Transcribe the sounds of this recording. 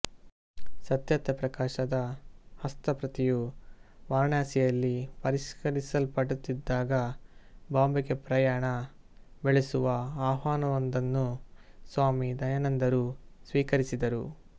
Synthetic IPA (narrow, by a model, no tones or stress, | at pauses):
sɐt̪jɐt̪ɐpɾɐkaːʃɐd̪ɐhɐst̪ɐpɾɐt̪ijuʋaːɳjaːsijɐlːipɐɾiʃkɐɾisɐlpɐɽut̪ːid̪ːaːɡɐbaːmbɐɡepɾɐjaːɳɐ | beɭesuʋɐaːɦaːnɐʋɐnd̪ɐnːusʋaːmid̪ɐjɐnɐnd̪ɐɾusʋiːkɐɾisid̪ɐɾu